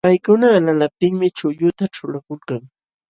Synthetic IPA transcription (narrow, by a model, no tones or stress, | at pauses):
pajkʊnaːlalap̚t̪ɪŋmɪt͡ʃʊʎʊt̪aʈ͡ʂʊɾakʊlkaŋ